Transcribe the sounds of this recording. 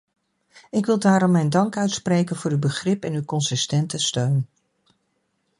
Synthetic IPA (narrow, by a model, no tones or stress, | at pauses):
ɪkʋɪlˠdaːɾɔmːɛjndɑŋkœɥtsprejkənv̥ʊːɾywbəχrɪpɛnywkɔnsɪstɛntəstøɥn